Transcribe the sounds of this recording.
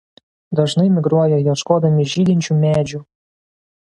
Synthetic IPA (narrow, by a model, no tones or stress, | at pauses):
d̪ɑʒnɤmʲɪɡɾuɔjɛjɑʃkod̪ɤmʲiʒid̪ʲinʲt͡ɕumʲæd͡ʒu